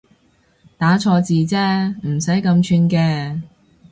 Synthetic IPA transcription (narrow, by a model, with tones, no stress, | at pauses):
t̪aː˨˥t͡sʰɔː˧t͡siː˨˧t͡sɛː˥m̩˨˩sɐ˨˥jkɐ˧mt͡ʃʰyː˧nkɛː˧